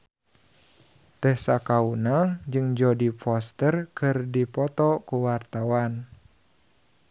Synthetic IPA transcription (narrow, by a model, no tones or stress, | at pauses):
t̪ɛhsakaunaŋd͡ʒɨŋd͡ʒɔdifɔst̪ərkɨrdipɔt̪ɔkuwart̪awan